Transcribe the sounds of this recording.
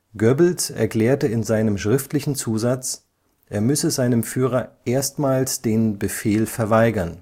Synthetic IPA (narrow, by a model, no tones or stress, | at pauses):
ɡ̥œbl̩tʔɛ̰ɐkl̥ɛːɐtəɪnzaɪnəmʃʁ̥ɪftlɪçn̩t͡suːzat͡s | ʔeːɐmʏsəzaɪnəmfyːʁ̞ɐʔeːɐstmaːlsd̥eːnbəfeːlfɛɐvaɪɡɐn